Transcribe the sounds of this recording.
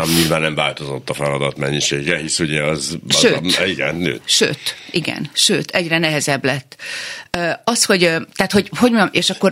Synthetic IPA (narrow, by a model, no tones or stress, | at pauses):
amɲiːlvaːnːɛɱvaːlt̪o̞zo̞t̪ːɒfɛlɒd̪ɒt̪mɛɲːiʃeːɡɛhisuɟɛɒzɒʃøːiɡɛ̰nnø̰ːt̪ʃø̰ːt̪ʔiɡɛ̰nʃøːt̪ʰɛɟrɛnɛɦɛzɛblɛt̪ːøːɒsho̞ɟt̪æːt̪ho̞ɟho̞ɟmomʔeːʃɒkːo̞r